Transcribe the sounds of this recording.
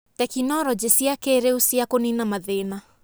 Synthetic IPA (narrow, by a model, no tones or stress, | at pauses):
tɛkinɔɾɔd͡ʑesiakeːɾeusiakoninamaðena